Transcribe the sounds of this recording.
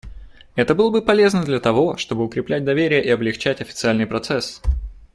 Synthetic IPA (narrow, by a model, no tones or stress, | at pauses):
ɛt̪əbɨlˠəbɨpɐlʲe̞znəd̪lʲɐt̪ɐvo̞ʂt̪o̞bɨʊkɾʲɪplʲæt̚ʲd̪ɐvʲeɾʲɪjəʔɪɐblʲɪxt͡ɕætʲɐfʲɪ̥t̪sɨalʲnɨjpɾɐt̪sɛs